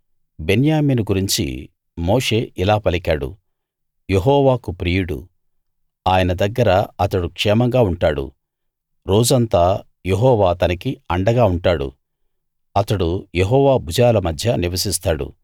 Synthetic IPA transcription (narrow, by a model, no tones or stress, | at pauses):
be̞njaːmiːnuɡuɾiɲt͡ʃḭ | moːʂe̞ːʔilaːpɐlikaːɽṵ | je̞ɦɔːʋaːkupɾiːjuɽṵ | aːjɐnɐd̪ɐɡːɐɾɐɐt̪ɐɽukʂɛːmɐŋɡaːuɳʈaːɽṵ | ɾo̞ːd͡ʒɐnt̪aː | jeɦɔːʋaːt̪ɐnɐkiɐɳɖɐɡaːuɳʈaːɽṵ | ɐt̪ɐɽujeɦɔːʋaːbʱud͡ʒaːlɐmɐd̪ʱjɐniʋɐsist̪aːɽṵ